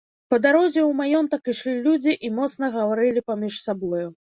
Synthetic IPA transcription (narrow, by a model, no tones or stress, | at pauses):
pɐd̪aɾɔzʲɛwmajɔnt̪ɐkiʂlʲilʲud͡zʲiʔimɔt̪sn̪ɐɣɐvaɾɨlʲipamʲiʂsabɔju